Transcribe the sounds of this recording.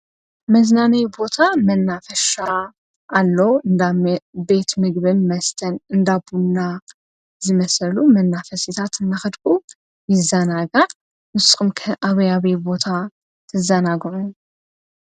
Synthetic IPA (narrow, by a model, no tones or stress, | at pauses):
məznanajbo̞t̪ʰamənːafəʃa | ʔalːəwɨnd̪abe̞t̪mɨɡβɨnməst̪ʰənɨnd̪abunːa | zɨməsəlumənːafəsit̪ʰat̪ɨnːaxɨd̪kʼu | jɪzanaɡa | wʊskʼɨmkʰəʔaβjaβebo̞t̪ʰa | t̪ʰɨzanaɡmu